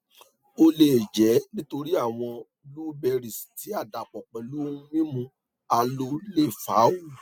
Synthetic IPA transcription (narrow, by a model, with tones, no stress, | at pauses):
o˧le˨d͡ʒɛ˨˦nĩ˦to˧ɾi˦a˦˨w̃ɔ̃˧ | luː˦bɛ˧ɾi˨sti˨˦a˦˨da˨k͡pɔ˨k͡pɛ˨lu˨˦o˦ũ˧˦mĩ˦mũ˧ | a˧lo˧le˦˨fa˨˦wo˦˨